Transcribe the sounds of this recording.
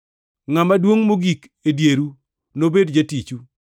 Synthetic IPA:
ŋamadwoŋmoɡik | edjeɾu | nobedd͡ʒatit͡ʃu

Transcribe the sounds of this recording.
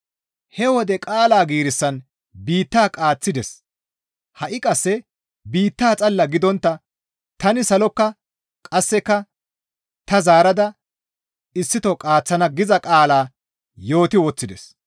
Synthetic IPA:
hɛwɔd̪ɛkʼaːlaːɡiːɾɪsːɐn | biːt̪ːaːkʼaːt͡sːɪd̪ɛs | hɐʔɪkʼɐsːɛ | biːt̪ːaːt͡sʼɐlːɐɡɪd̪ɔnt̪ːɐ | t̪ɐnɪsɐlɔkːɐ | kʼɐsːɛkːɐ | t̪ɐzaːɾɐd̪ɐ | ɪsːɪt̪ɔkʼaːt͡sːɐnɐɡɪzɐkʼaːlaː | jo̞ːt̪ɪoːt͡sːɪd̪ɛ̰s

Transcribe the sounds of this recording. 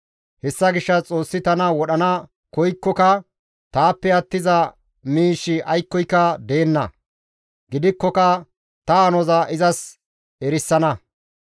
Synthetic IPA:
hɛsːɐɡɪʃːɐt͡sʼo̞ːsːɪt̪ɐnɐwɔɗɐnɐ | kɔjkːɔkɐ | t̪aːpːɛɐt̪ːɪzɐ | miːʃɪʔɐjkːɔjkːɐd̪eːnːɐ̰ | ɡɪd̪ɪkːɔkɐ | t̪ɐːnɔzɐʔɪzɐs | ɛɾɪsːɐnɐ

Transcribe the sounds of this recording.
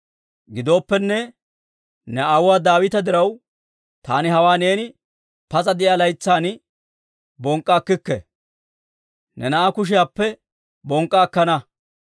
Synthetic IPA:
ɡɪd̪o̞ːpːɛnːɛ | nɛawwaːd̪aːwɪt̪ɐd̪ɪɾɐw | t̪aːnɪɦɐwaːne̞ːnɪ | pɐzɐd̪ɪʔjaːlɐjt͡sːaːn | bɔŋkʼːaːkːɪkːɛ̰ | nɛnɐʔakʊʃ̬ɪjaːpːɛ | bɔŋkʼːaːkːɐnɐ

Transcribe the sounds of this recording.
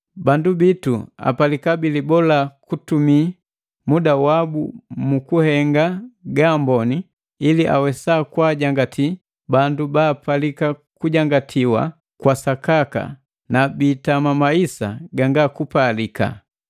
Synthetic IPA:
bandubitua̰palikabilibɔlakutumi | mudawabumukuhɛŋɡaɡambɔniː | liʔa̰wɛsaːkwaːɟaŋɡatʰi | bandubaːpalikakuɟaŋɡatʰiwa̰ | kwasakaka̰ | nabiːtamamaisa̰ɡaŋɡakupalika̰

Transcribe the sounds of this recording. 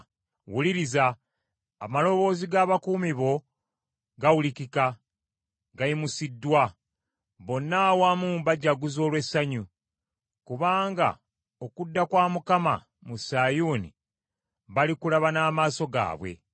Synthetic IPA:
wuliɾiza̰ː | malo̞βo̞ːziɡaːβakuːmiβo̞ | ɡawulikika | ɡajimusidːwa | βo̞nːaːwamumbaɟːaɡuzo̞ːlwe̞sːaɲu | kuβaːŋɡa̰ | okudːakwaːmukama̰ | musaːjuːnḭ | βalikulaβanaːmaːso̞ɡa̰ːβwe̞̰

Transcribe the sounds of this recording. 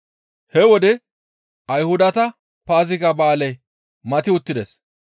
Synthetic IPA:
hɛwɔd̪ɛ | ɐjhʊd̪ɐt̪ɐ | paːzɪkɐbaːlɛj | mɐt̪ɪʊt̪ːɪd̪ɛs

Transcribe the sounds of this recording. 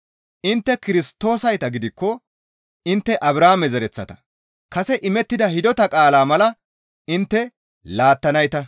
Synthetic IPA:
ʔɪnt̪ːɛkɪɾɪst̪ːo̞ːsɐjt̪ɐɡɪd̪ɪkːɔ | ɪnt̪ːɛʔɐbɾaːmɛzɛɾɛt͡sːɐt̪ɐ̥ | kɐsɛʔɪmɛt̪ːɪd̪ɐhɪd̪ɔt̪ɐkʼaːlaːmɐlɐ | ɪnt̪ːɛ | laːt̪ːɐnɐjt̪ɐ

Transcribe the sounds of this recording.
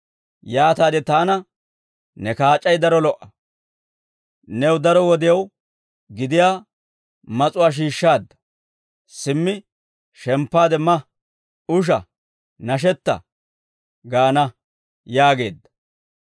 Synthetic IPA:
jaːt̪aːd̪ɛt̪aːnɐ | nɛkaːt͡ʃʼːɐjd̪ɐɾɔlɔʔːɐ | nɛwd̪ɐɾɔwɔd̪ɪjɐw | ɡɪd̪ɪjaː | mɐt͡sʼʊwaːʃ̬iːʃːaːd̪ːɐ̥ | sɪmːɪ | ʃɛmpːaːd̪ɛmɐ | ʊʃ̬ɐ̰ | nɐʃ̬ɛt̪ːɐ̰ | ɡaːnɐ | jaːɡe̞̰ːd̪ːɐ̥

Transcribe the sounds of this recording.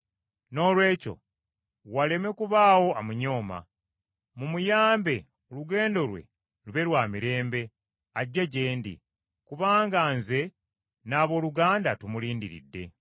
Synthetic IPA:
no̞ːlwe̞ːco̞̰ | wale̞me̞kuβaːwo̞amuɲo̞ːma̰ | mumujaːmbe̞ | oluɡe̞ːndo̞lwe̞̰ | luβe̞lwaːmiɾe̞ːmbe̞ | aɟːaɟe̞ːndḭ | kuβaːŋɡaːnze̞ | naːβo̞ːluɡaːndatumuliːndiɾḭdːe̞

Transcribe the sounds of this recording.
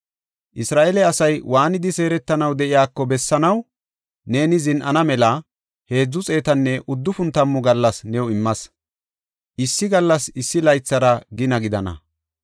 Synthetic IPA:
ʔɪsɾaːʔelɛɐsɐjwʔaːnɪd̪ɪse̞ːɾɛt̪ːɐnɐwd̪ɛʔɪjaːkːɔbɛsːɐnɐw | ne̞ːnɪzɪnʔɐnɐmɛlɐ | he̞ːd͡zːʊt͡sʼe̞ːt̪ɐnːɛʔʊd̪ːʊfʊnt̪ɐmːʊɡɐlːɐsnɛwɪmːɐs | ʔɪsːɪɡɐlːɐsɪsːɪlɐjt͡sːɐɾɐɡɪnɐɡɪd̪ɐnɐ̰

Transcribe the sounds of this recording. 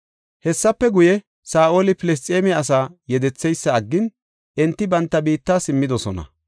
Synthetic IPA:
hɛsːɐpːɛɡʊjɛ | saːʔo̞ːlɪpɪlɛs̬t̪ʼeːmɪɐs̬aːjɛd̪ɛt͡sːɛjsːɐːɡːɪn | ʔɛnt̪ːɪbɐnt̪ːɐbiːt̪ːaːsɪmːɪd̪ɔsɔnɐ̰

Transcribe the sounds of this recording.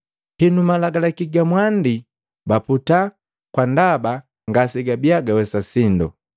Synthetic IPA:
hinumalaɡalakiɡamwandi | baputa | kwandaba | ŋɡasiɡabiaɡawɛsasindɔ̰

